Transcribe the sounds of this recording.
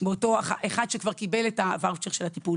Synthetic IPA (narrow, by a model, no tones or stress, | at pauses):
beoto̞aχaʔeχadʃekvaʁkibeletavaʁt͡ʃeʁʃelatipul